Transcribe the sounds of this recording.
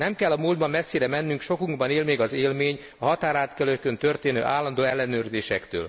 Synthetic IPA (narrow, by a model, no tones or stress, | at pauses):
nɛmkɛlːɒmuːld̪bɒmːɛsːiɾɛmɛnːyŋkʃo̞kuŋɡbɒneːlmeːɡɒzeːlmeːɲ | ɒɦɒt̪aːɾaːt̪kɛløkːønt̪ø̞rt̪eːnø̰ːʔaːlːɒnd̪oːɛlːɛnøːrzeːʃɛkt̪ø̰ːl